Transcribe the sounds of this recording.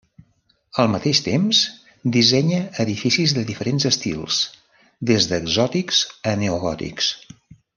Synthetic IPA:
əlˠmət̪eʃt̪ems | d̪izɛɲəəðifisizðəðifəɾenzəst̪ḭlˠs | d̪ezðəɡzɔt̪iksəneuɣɔt̪ḭks

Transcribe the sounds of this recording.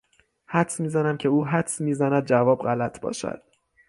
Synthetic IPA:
hæt̪smiːzænæmcʰe̞uːɦæt̪smiːzænæd̪̚d͡ʒævɒːbɢælæt̪ʰbɒ̰ːʃæ̰d̪̥̚

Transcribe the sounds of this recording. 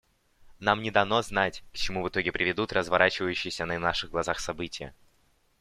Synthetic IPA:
namnʲɪd̪ɐno̞znatʲkə̥t͡ɕɪmuvɨt̪o̞ɡʲɪpɾʲɪvʲɪd̪ut̪rʔəzvɐɾʔat͡ɕɪvəjʉɕːɪjɪsʲənənaʂɨɣɡlˠɐzaxsɐbɨtʲɪjə̰

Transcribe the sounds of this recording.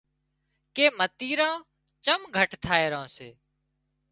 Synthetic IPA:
keːmət̪iːɾãː | t͡ʃəmɡʱəʈt̪ʰaːeːɾãːseː

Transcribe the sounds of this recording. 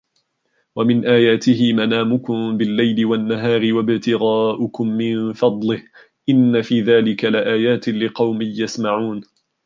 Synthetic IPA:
wamɪnʔaːjaːt̪ɪɦɪmanaːmʊkʊmbɪlːajlɪwanːaɦaːɾɪwabɪbt̪ɪɣaːʔʊkʊmːɪnfɑd̪ˤlɪh | ʔɪnːafiːðaːlɪkalɪʔaːjaːt̪ɪlɪqɑwmɪhjasmaʕuːn

